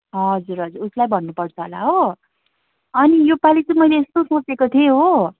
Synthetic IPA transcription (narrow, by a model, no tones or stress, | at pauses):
ɦʌd͡zuɾɦʌd͡zuɾuslajbʱʌnːupʌrt͡sʰʌɦola̰ɦo | ʌnijopalit͡sʌ̃mʌjleest̪osõt͡sekot̪ʰieɦo